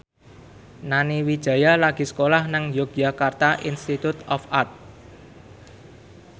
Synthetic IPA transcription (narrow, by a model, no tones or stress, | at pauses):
naniwid̥ʒ̥ä̤jalaɡ̥i̤sə̥kolahnaŋjok̚d͡ʒa̤kart̪aʔinst̪it̪ut̪ɔfart̪̚